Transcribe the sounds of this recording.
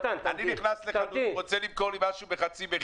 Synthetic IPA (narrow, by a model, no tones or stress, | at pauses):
t̪ananiniχnasleanuʁot͡selibkoʁlimaʃubeχat͡sibe